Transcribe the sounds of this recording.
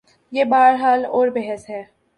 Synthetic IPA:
jeːbaːɾɦaːlɔːɾbɛɦəsɦɛː

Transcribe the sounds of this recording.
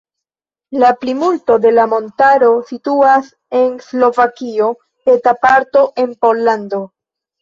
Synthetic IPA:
laplimulto̞de̞lamo̞ntaɾo̞situas | e̞nslo̞vakio̞ | e̞tapaɾto̞ʔe̞npo̞lːando̞

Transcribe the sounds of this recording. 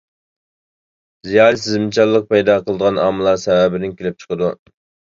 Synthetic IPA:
zijɑɾsɪzmɪt͡ʃʰɑlˠːəq̚pɑjd̪ɑqʰəlˠəd̪əʁɑnɑmɨlˠɑɾsɛwæbɪnɪŋkʲʰelɪp̚t͡ʃʰə̥qʰəd̪u

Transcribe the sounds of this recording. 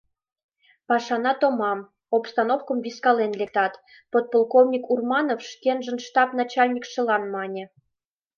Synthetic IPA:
pɑʃɑnɑt̪ŏmɑm | opst̪ɑnofkɤ̆mvʲiskɑlenlʲek̚t̪ɑt̪ | pot̪̚polˠkovnʲikurmɑnofʃkʲenʒə̆nʃt̪ɑpn̪ɑt͡ɕɑlʲnʲikʃɤ̆lɑnmɑnʲĕ

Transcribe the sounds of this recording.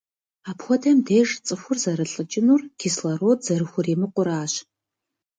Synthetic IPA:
aːpxʷɔdɐmdeːʒt͡sʼɨxʷʊrzɐɾɨɬʼɨt͡ʃʼɪnuːrɡ̥ʰislɐɾoːz̥ɐɾɨxʷʊreːmɨqʷʊɾaːɕ

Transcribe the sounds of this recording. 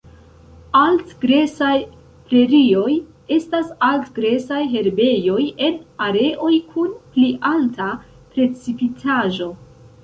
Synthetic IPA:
altɡɾe̞saj | pɾe̞ɾio̞j | e̞stasaltɡɾe̞sajɦe̞ɾbe̞jo̞je̞naɾe̞ʔo̞jkʰunpliʔalta | pɾe̞t͡sipitʰaʒo̞

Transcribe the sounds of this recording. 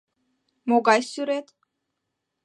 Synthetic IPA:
mɔɡajsyɾɛt̪

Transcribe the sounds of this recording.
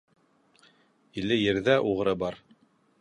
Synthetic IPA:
ilɘjɘ̆ɾðæʔuʁɤ̆ɾɤbɑɾ

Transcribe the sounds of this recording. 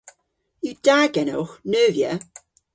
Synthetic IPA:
iwd̥aːɡɛnɔ̰wxnøːvjə

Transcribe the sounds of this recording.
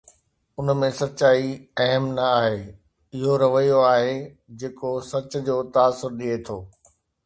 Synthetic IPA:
ʊnmẽsɐtːt͡ɕaːiɐɦəmnɐaːɦeː | ɪɦoɾɐʋəijoaːɦe | d͡ʑeːkosɐt͡ɕʊ̆d͡ʑoːt̪aːsːʊɾɗiet̪ʰoː

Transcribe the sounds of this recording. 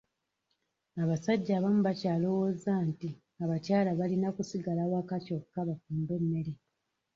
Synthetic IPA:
aβasaɟːaːβamuβacaːlo̞woːzaːnti | aβacaːlaβalinakusiɡalawakaco̞kːaβafuːmbe̞mːe̞ɾe

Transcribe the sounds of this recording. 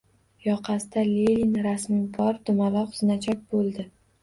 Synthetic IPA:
jɒqʰɑsɪd̪alelinɾasmɪbʰɒɾt̪ʊmalɒqʊzɪnat͡ʃʰɒk̚ʲbolˠd̪ɪ

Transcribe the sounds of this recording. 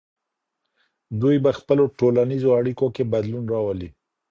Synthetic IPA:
d̪ujbaxpəloʈolanizoaɽikokebad̪lunɾɑwəli

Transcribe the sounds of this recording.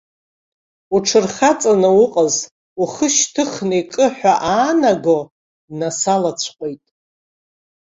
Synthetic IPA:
uʈ͡ʂʰɨrχat͡sʼanɨwʊqʼəz | uχəʃtʰɨχnejkʼɨħᶣʷaʔaːnaɡo | dnasalat͡ɕʷʰqʷʼejtʼ

